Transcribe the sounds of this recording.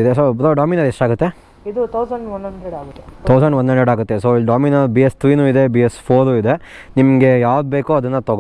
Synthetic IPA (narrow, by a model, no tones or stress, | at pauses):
id̪esotoɖaːminɐɾeʂʈaːɡut̪ːe̞ | id̪ut̪ʰɐwsɐɳɖʋɐnɦɐɳɖɾeɽaːɡut̪ːet̪ʰɐwsɐɳɖʋɐnd̪ɦɐɳɖeɖaːɡut̪ːesoːɖaːminɐbijest̪ʰɾiːnuːid̪e̞biːjespʰoːɾuːid̪e̞ | nimɐɡe̞jaːʋd̪̚beːkuɐd̪ɐnːɐt̪ɔɡ